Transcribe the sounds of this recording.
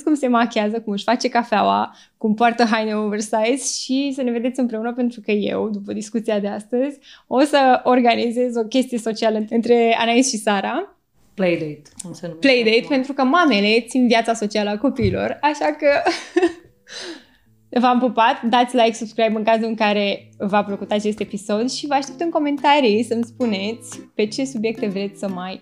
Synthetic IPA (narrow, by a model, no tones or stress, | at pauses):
kumse̞makʲeazəkumɨʃʲfat͡ʃe̞kafeawa̰ | kumpoart̪əɦajneovərsajt̪sʃisəne̞ve̞d̪e̞t̪sʲimpɾe̞unəpe̞nt̪ɾukəje̞̰wd̪upəd̪iskut̪siad̪e̞ast̪əzʲo̞səorɡanize̞zo̞kʲe̞st̪ije̞so̞t͡ʃialəɨnɨnt̪ɾe̞a̰naisʃisaɾa | plejd̪et̪slejd̪ejt̪pe̞nt̪ɾukəmame̞le̞t̪sinvjat̪saso̞t͡ʃialəako̞piːlo̞̰raʃakə | vampəpat̪d̪at̪sʲlajksubskɾajbɨŋkazuɨŋkaɾe̞vapɾokut̪at͡ʃe̞st̪e̞piso̞d̪ʃivəaʃt̪e̞p̚t̪ɨŋko̞me̞nt̪aɾisəmspune̞t̪sʲpe̞t͡ʃe̞subje̞k̚t̪e̞vɾe̞t̪sʲsəmaj